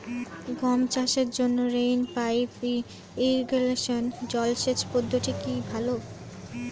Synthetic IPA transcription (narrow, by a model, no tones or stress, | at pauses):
ɡɔmt͡ɕaʃeɾd͡ʑonːoɾejnpajpi | iɾɡeleʃond͡ʑɔlʃet͡ɕpod̪ʱːoʈikibʱalo